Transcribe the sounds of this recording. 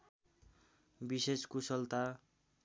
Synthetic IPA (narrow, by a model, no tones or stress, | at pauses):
biseskusʌlt̪a